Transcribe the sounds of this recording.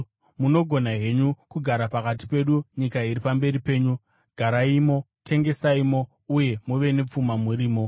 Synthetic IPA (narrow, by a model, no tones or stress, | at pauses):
muno̞ɡʱo̞naɦe̞ɲukuɡʱaɾapakati̥pe̞ɗuɲikaiɾipambe̞ɾipe̞ːɲu | ɡʱaɾaimo̞ | tʰe̞ŋɡe̞saimo̞ | uje̞muʋe̞ne̞p͡fumamuɾiːmo̞